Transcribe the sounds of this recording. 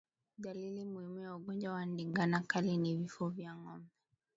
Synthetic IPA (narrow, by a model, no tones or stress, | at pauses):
dalilimuhimujauɡɔnd͡ʒwawandiŋɡanakalinivifɔvjaŋɔmbɛ